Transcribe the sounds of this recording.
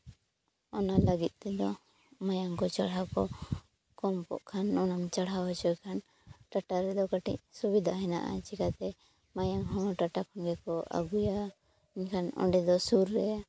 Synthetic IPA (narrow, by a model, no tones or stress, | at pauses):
ɔnalaɡit̪̚ˀt̪ɛd̪ɔ | majaŋkɔt͡ʃaɽɦakɔ | kɔmkɔ̰ʔkʰanɔnamt͡ʃaɽawat͡ʃɔkʰan | ʈaʈaɾɛd̪ɔkaʈḭc̚subid̪ʱaɦɛna̰ʔa̰t͡ʃikat̪ɛ | majaŋɦɔ̃ʈaʈakʰɔnɡɛkɔa̰ɡuja | iɲkʰanɔ̰ɖɛd̪ɔsuɾːɛja